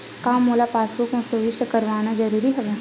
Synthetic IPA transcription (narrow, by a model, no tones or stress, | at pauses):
kaːmːoːlapaːsbʊkmẽpəʋɪʃʈəkɐɾʋaːnad͡ʒɐɾuːɾiɦɐʋe